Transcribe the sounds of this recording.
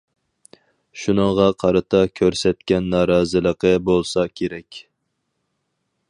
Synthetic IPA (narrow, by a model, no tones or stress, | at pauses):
ʃunəŋʁɑqʰɑɾɨt̪ʰɑkʲʰøɾsɛt̪kʲɛnːɑːɾɑːzɨlˠəqəbolˠsɑkʲʰeɾɛkʲ